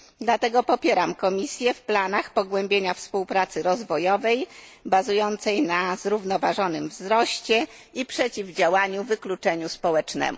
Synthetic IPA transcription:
d̪lat̪ɛɡɔpɔpʲjeɾamkɔmʲisʲjɛfplanaxpɔɡwɛmbʲjeɲafspuwpɾat̪sɘɾɔzvɔjɔvɛjbazujɔnt̪sɛjnazɾuvnɔvaʐɔnɘmvzɾɔɕt͡ɕɛ | ipʂɛt͡ɕivd͡ʑawaɲuvɘklut͡ʂɛɲuspɔwɛt͡ʂnɛ̰mṵ

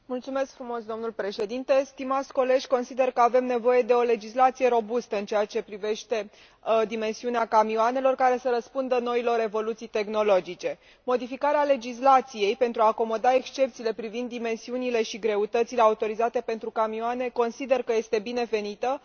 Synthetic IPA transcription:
mult̪sume̞skfɾumo̞sd̪o̞mnulpɾe̞ʃe̞d̪int̪e̞st̪imat̪sʲko̞le̞ʒʲko̞nsid̪e̞rkəave̞mne̞vo̞je̞d̪e̞o̞le̞d͡ʒislat̪sije̞ɾo̞bust̪əɨnt͡ʃeat͡ʃe̞pɾive̞ʃt̪e̞ | d̪ime̞nsiuneakamioane̞lo̞rkaɾe̞səɾəspund̪əno̞ilo̞ɾe̞vo̞lut̪sijt̪e̞xno̞lo̞d͡ʒit͡ʃe̞ | mo̞d̪ifikaɾeale̞d͡ʒis̬lat̪sije̞jpe̞nt̪ɾuaːko̞mo̞d̪ae̞kst͡ʃe̞p̚t̪siːle̞pɾivind̪ːime̞nsiunile̞ʃiɡɾe̞ut̪ət̪sile̞aut̪o̞ɾizat̪e̞pe̞nt̪ɾukamioane̞ko̞nsid̪e̞rkəje̞st̪e̞bine̞ve̞nit̪ə

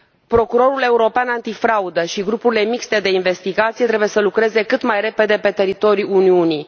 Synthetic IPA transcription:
pɾo̞kuɾo̞ɾule̞uɾo̞peanant̪ifɾaud̪əʃiɡɾupuɾile̞mikst̪ed̪e̞inve̞st̪iɡat̪sijet̪ɾe̞buje̞səlukɾe̞ze̞kɨt̪majɾe̞pe̞d̪e̞pe̞t̪e̞ɾit̪o̞ɾiuniuni

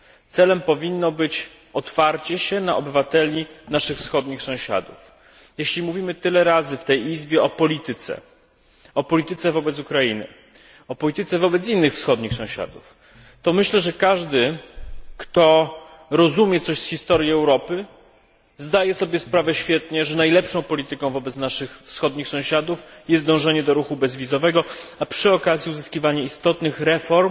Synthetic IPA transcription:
t̪sɛlɛmpɔvʲinːɔbɘt͡ɕ | ɔt̪faɾt͡ɕɛɕɛnaɔbɘvat̪ɛlʲinaʂɘxfsxɔd̪ɲixsɔ̃w̃ɕa̰d̪uf | jeɕlʲimuvʲimɘt̪ɘlɛɾazɘft̪ɛjizbʲjɛɔpɔlʲit̪ɘt̪sɛ̰ | ɔpɔlʲit̪ɘt̪sɛvɔbɛt̪sukɾainɘ̰ | ɔpɔlʲit̪ɘt̪sɛvɔbɛt̪s̬inːɘxfsxɔd̪ɲixsɔ̃w̃ɕa̰d̪uf | t̪ɔmɘɕlɛʐɛkaʐd̪ɘ | kt̪ɔ | ɾɔzumʲjɛt̪sɔɕsxʲist̪ɔɾʲjiɛwɾɔpɘ | zd̪ajɛsɔbʲjɛspɾavɛɕfʲjɛt̪ɲɛʐɛnajlɛpʂɔ̃w̃pɔlʲit̪ɘkɔ̃w̃vɔbɛt̪snaʂɘxfsxɔd̪ɲixsɔ̃w̃ɕad̪ufjɛst̪̚d̪ɔ̃w̃ʐɛɲɛd̪ɔɾuxubɛzvʲizɔvɛɡɔapʂɘɔkazʲjiuzɘskʲivaɲɛist̪ɔt̪nɘxɾɛfɔɾm

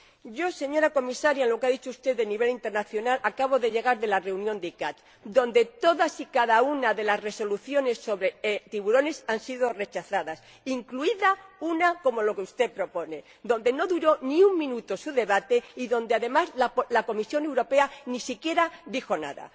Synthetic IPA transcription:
ɟ͡ʝo̞se̞ɲo̞ɾako̞misaɾjaelo̞keaðit͡ʃoust̪e̞ðeniβ̞e̞lint̪e̞ɾnaθjo̞nalʔakaβ̞o̞ðe̞ʝe̞ɣ̞aɾðe̞lare̞unjõ̞nd̪ikat̪ | d̪õ̞nd̪e̞t̪o̞ðasikaðaunaðe̞lasre̞so̞luθjo̞ne̞sːo̞βɾe̞t̪iβuɾo̞ne̞sansiðo̞re̞t͡ʃaθaðas | iŋkluiðaunako̞mo̞lo̞keust̪e̞pɾo̞po̞ne̞ | d̪õ̞nd̪e̞no̞ðuɾo̞niuŋmĩnut̪o̞suðe̞βat̪e̞iðõ̞nd̪eaðe̞mazlalako̞misjo̞ne̞wɾo̞pe̞anisikje̞ɾaðixo̞na̰ða̰

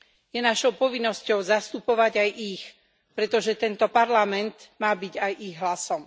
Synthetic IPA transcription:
jɛnaʃɔʊpɔʋinːɔscɔʊzast̪upɔʋaɟajʔix | pɾɛt̪ɔʒɛt̪ɛnt̪ɔpaɾlamɛnt̪maːbiɟajʔiɣɦlasɔm

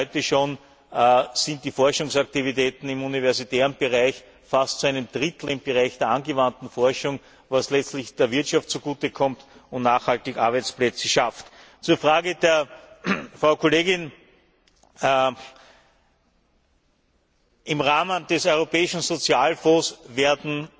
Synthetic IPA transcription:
ɔʏtəʃoːn | sɪ̃nt̚d̥iːfɔɐʃʊŋsak̚tivitɛːtn̩ɪmunivɛɐzitɛːʁənb̥əʁaɪç | fastt͡suæɪnəmd̥ʁɪt̪l̩ɪmb̥əʁaɪçd̥eːɐanɡəvantn̩fɔɐʃʊŋ | vaslɛt͡stlɪçd̥eːɐvɪɐtʃaftt͡suɡ̥uːtəkʰɔmtʊ̃ntnaːxhaltɪçʔa̰ɐbæɪt͡splɛt͡səʃaft | t͡suːɐfʁaːɡədeːɐ | fʁɑʊkʰoleːɡɪn | ʔɪmʁaːmənd̥ɛsɔʏʁopɛːɪʃn̩zot͡sjaːlfɔ̃ːsveːɐdn̩

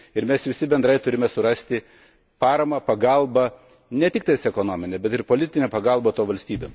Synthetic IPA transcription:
ɪɾmʲɛsʋʲɪsʲɪbʲɛnd̪ɾɐɪt̪ʊɾʲɪmʲɛsʊɾɐsʲt̪ʲɪ | pɑːɾɐmɐpɐɡɐlˠbɐ | nʲɛt̪ʲɪk̚t̪ɐɪsɛkoːnoːmʲɪnʲɛbʲɛt̪ɪɾpoːlʲɪt̪ʲɪnʲɛːpɐɡɐlˠboːt̪oːʋɐlʲsʲt̪ʲiːbʲeːm

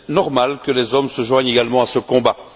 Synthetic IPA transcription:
nɔʁmalkəlɛzɔmsəʒwaɲeɡalmɑ̃asəkɔ̃ba

